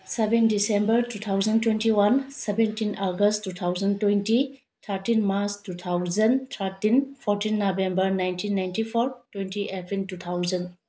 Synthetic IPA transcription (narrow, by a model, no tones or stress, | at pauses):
sebendisembəɾtut̪ʰawzɐntwentiwansebentinaɡəsttut̪ʰawzɐntwenti | t̪ʰaɾtinmaɾstut̪ʰawzɐntʰaɾtinpʰoɾtinːobembɐɾnajntʰinːajntipʰoɾtwentiʔepʰintut̪ʰawzɐn